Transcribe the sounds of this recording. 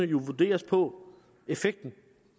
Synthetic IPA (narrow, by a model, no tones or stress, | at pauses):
əjo̝ʋud̥e̝̰ːɐspʰɒ̽ | e̝feɡ̥̚d̥n̩